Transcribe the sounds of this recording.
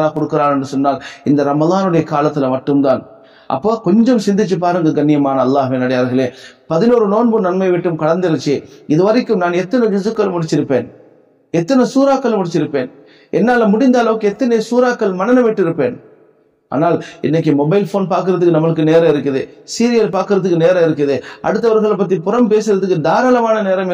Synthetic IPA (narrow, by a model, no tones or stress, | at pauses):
laːkɔɽɯkːɯɾaːnɛndrɯsɔnːaːlɪnd̪ɐɾɐmɐðaːnɯɽɐjɐkaːlɐt̪ːɪlmɐʈːɯmt̪aːn | ʔɐ̰pːoːkɔɲd͡ʒɔmsɪnd̪ɪt͡ʃːɯpːaːɾɯŋɡɐɡɐnːɪjɐmaːnɐːlːaːɦʊʋɪnɐɽɐjaːɾɣɐɭeːpɐðɪnoːɾɯnoːnbɯnɐnmɐɪʋɪʈːɯmkɐɽɐnd̪ɪɾɯt͡ʃːɯɪðɯʋɐɾɪkːɯmnaːnɛt̪ːɐnɛd͡ʒɪsɯkːɐlɯmʊɽɪt͡ʃːɪɾɯpːeːn | ɛt̪ːɐnɛsuːɾaːkːɐlmʊɽɪt͡ʃːɪɾɯpːeːn | ɛnːaːlɐmʊɽɪnd̪aːlɐʋɯkːɯɛt̪ːɐnesuːɾaːkːɐlmɐnɐnɐʋɛʈːɪɾɯpːeːn | ʔa̰ːnaːlɪ̰nːɐk̬ːɯmɔbɐɪlfoːnpaːɾk̬ɯɾɐðɯkːɯnɐmɐɭɯkːɯneːɾɐ̃ɪɾɯkːɐðḛsiːɾɪjɐlpaːɾkɯɾɐðɯkːɯneːɾɐ̃ɪɾɯkːɐðeɐ̰ɽɯt̪̬ːɐʋɐɾɣɐɭɐpːɐt̪ːipʊɾɐmpeːsɯɾɐðɯkːɯd̪aːɾaːlɐmaːnɐneːɾɐm